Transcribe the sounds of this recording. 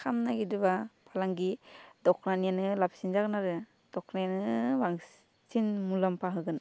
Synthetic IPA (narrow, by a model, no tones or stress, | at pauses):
kʰamnaɡidɯbapʰalaŋɡidɔkʰnanijanɯlap̚sind͡ʒaknaɾɯ | d̥ɔkʰnajanɯbaŋ | sinmulampʰaɦɯɡɯn